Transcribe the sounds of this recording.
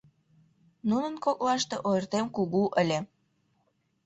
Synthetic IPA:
nunənkok̚lɑʃt̪eʔojərt̪emkuɣuʔəlʲe

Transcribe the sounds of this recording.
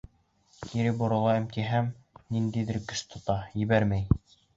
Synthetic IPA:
k̪iɾɘbŏɾŏlˠɑɘ̆mt̪iɦæm | nind̪iðɘɾkɘ̆ʃt̪ʰŏt̪ɑjɘ̆βæɾmæj

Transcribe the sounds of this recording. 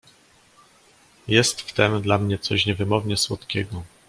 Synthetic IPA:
jɛst̪ft̪ɛmd̪lamɲɛt̪sɔɕɲɛvɘmɔvɲɛswɔt̪kʲɛɡɔ

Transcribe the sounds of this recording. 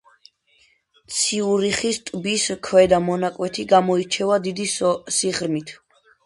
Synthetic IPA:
t̪sʰiuɾiχist̪ʼbiskʰwɛd̪amɔnakʼwɛt̪ʰiɡamɔit͡ʃʰɛvad̪id̪isiʁɾmit̪ʰ

